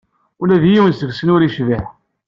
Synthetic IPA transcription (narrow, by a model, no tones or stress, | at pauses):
ʊlæðijiwənsəɡsənʊɾiʃvəħ